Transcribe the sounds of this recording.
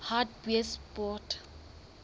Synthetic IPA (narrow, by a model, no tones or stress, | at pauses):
hat̚bwɛspɔt